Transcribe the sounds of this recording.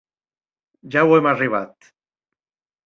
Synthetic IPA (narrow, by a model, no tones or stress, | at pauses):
ʒawemariβ̞at̪